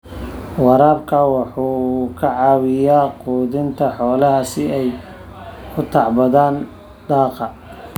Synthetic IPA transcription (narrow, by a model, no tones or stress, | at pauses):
wɑɾaːbkʰɐwɑħuːkʰɐʕɑːwɪjaːquːðɪnt̪ʰɐħɔːlɐɦɐsɪɛj | kʰʊt̪ʰɑʕbɐðaːn | d̪̥ɑːqɑ